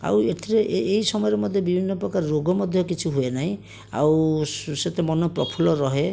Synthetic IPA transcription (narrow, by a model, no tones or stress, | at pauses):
a̰wet̪ʰiɾeʔʔeɦisɔmɔjɔɾemɔd̪ʱjɔbibʱinːɔpɾɔkaɾɔɾoɡɔmɔd̪ʱjɔkit͡ʃʰiɦuenaɦĩ | a̰wset̪emɔnɔpɾɔpʰulɔɾɔɦe